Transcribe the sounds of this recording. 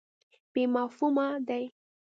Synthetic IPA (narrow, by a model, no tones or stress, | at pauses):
b̥emahumad̪aj